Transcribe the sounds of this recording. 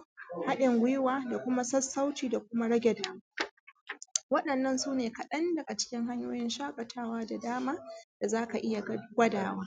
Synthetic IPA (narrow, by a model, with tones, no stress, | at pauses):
ha˦ɗɪ˨ŋɡʷɪ˦jɪ˦waː˦da˨kʷʊ˦ma˦sɐ˦sːa˦wtiː˨da˨kʷʊ˦ma˦ɽɐ˦ɡʲɛ˨daː˦maː˦ | wɐ˦ɗɐ˨nːɐ˦nsuː˦neː˨kɐ˨ɗɐ˦ndɐ˨ɡa˨t͡ʃɪ̥˦kʲɪ˦ŋɦa˦ɲjoː˦jɪ˦nʃaː˦kʷʼɐ˨tʰaː˦waː˦da˨daː˦maː˦d̥a˨zaː˦ka˨ʔɪ˦ja˨ɡʷɐ˦daː˨waː˦